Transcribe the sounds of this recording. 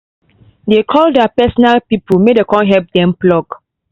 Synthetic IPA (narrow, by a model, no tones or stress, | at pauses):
dekʰɔldapɛsɔnalpipulmedekɔ̃nɦɛlp̚dɛ̃mplɔɡ